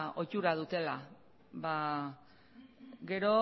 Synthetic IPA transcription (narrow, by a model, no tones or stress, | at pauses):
o̞t͡ʃuɾað̞ut̪e̞la | βa | ɡe̞ɾo̞